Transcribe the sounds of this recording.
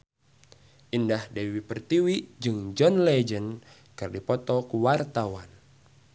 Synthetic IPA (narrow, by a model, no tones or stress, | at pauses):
ʔindahdewipərt̪iwiʔd͡ʒɨŋd͡ʒɔnlɛd͡ʒən | kɨrdipɔt̪ɔkuwart̪awan